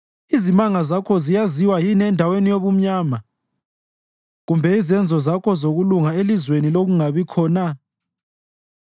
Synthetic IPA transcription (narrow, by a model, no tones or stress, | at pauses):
izimaŋazakʰɔzijaziwajinɛndʱawenijoβum̩ɲaːma | ɣumbʱɛizɛnd͡zʱɔzakʰɔzoɣuluŋaelizweniloɣuŋaβikʰɔːna